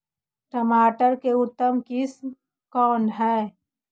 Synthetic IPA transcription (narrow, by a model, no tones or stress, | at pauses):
ʈəmaːʈəɾkeʊt̪ːəmkɪsm | kɔːnɦɛː